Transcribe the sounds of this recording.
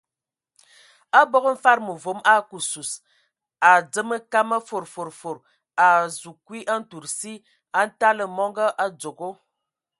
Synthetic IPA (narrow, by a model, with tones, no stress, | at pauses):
a˦bɔ˦ɡə˦m̩˦fa˦ɾmə˨vo˨˦ma˦ku˨su˨s | a˨d͡zə˦mə˦ka˦mə˦fo˨ɾfo˨ɾfo˨ɾ | a˨zu˨kwi˦ʔa˦n̩˦tu˨ɾsi˦ | a˦n̩˦ta˦lə˨mɔ˦ŋɡə˦ʔa˦d͡zo˨ɡo˦